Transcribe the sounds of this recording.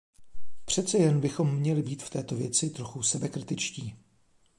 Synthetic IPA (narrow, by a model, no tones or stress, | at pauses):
pr̝̥ɛt̪t͡sɛjɛnbɪxo̞mːɲɛlɪbiːt̪ft̪ɛːt̪o̞vjɛt͡sɪt̪ɾo̞xusɛbɛkɾɪt̪ɪt͡ʃciː